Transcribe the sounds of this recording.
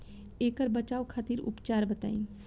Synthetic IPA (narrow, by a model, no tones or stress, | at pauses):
eːkəɾbɐt͡ʃaːokʰaːt̪iːɾʊ̰pt͡ʃaːɾbɐt̪a̰ːḭ̃ː